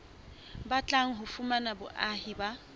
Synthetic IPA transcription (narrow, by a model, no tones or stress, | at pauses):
bat͡ɬʼaŋ̩ɦʊfumanabʊʔahiba